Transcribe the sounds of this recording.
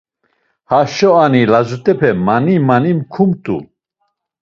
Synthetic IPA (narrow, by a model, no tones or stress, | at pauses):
haʃɔanilazut̪ʼɛpʰɛmanimanimkʰumt̪ʼṵ